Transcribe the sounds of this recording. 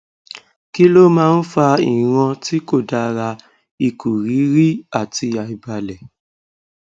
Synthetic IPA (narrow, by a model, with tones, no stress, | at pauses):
ki˦lo˦mãː˦˧n̩˦fa˧i˨ɾ̃ã˧ti˦ko˦˨da˧ɾa˧ | i˧ku˨ɾi˨˦ɾi˦a˦˨ti˧ja˨i˧ba˧lɛ˨